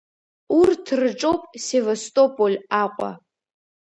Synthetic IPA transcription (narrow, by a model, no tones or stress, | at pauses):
urtʰrɨʈ͡ʂʼowpʼsevastʼopʼolʲaqʷʼa̰